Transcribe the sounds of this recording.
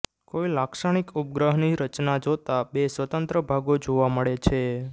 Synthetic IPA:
koilakʃaɳ̃ikup̚ɡɾəɦniɾət͡ʃnad͡ʒot̪abesʋət̪ənt̪ɾəbʱaɡod͡ʒoʋaməɭet͡ʃʰe

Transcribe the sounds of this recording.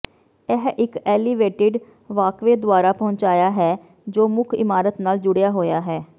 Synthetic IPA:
ɛɦʔɪkɛːlɪʋeːʈeːɖ | ʋaːkʋeːd̪ʊaːɾaːpɔ̃ːɲt͡ʃaːjaːɦɛː | d͡ʒoːmʊkʰɪ̰maːɾət̪naːld͡ʒʊɽɪjaːɦoːjaːɦɛː

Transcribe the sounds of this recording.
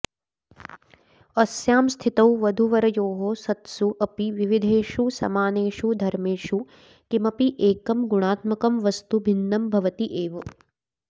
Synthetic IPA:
ɐsjaːmst̪ʰit̪ɐwʋɐd̪ʱuʋɐɾɐjoːɦosɐt̪suʔɐpiʋiʋid̪ʱeːʃusɐ̰maːneːʃud̪ʱɐɾmeːʃu | kimɐpiʔeːkɐmɡuɽ̃aːt̪mɐkɐmʋɐst̪ubʱinːɐmbʱɐʋɐt̪iʔeːʋɐ

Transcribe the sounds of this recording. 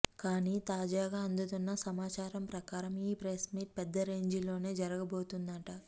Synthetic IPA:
kaːniːt̪aːd͡ʒaːɡaːɐnd̪ɐt̪unːɐsɐmaːt͡ʃaːɾɐmpɾɐkaːɾɐmiːpɾesmiːʈ̚pɛd̪ːɐɾe̞ːɲd͡ʒilo̞ːne̞ːd͡ʒɐɾɐɡɐbo̞ːt̪und̪ɐɳʈɐ

